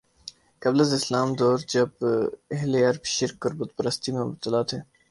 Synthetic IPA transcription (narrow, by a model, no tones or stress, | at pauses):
kɐbləzɪslaːmd̪ɔːɾd͡ʒɐbeɦleɐɾbʃɪɾkəɾbʊt̪̚pəɾəst̪imẽbt̪əlaːt̪ʰeː